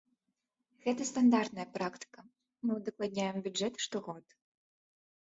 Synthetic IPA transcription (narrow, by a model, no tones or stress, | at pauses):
ɣɛt̪ɐst̪and̪art̪nɐjɐpɾakt̪ɨ̥kɐ | mɨwd̪ɐklˠad̪ʲɲʲajɛmbʲudɛt̪ʂt̪ɔɣɔt̪